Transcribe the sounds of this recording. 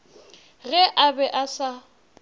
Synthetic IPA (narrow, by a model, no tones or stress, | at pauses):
ɣɛʔabɛʔasa